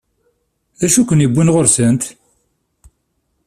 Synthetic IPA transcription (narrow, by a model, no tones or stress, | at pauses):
ðæʃukʷənibʷːunʁoɾsənt̪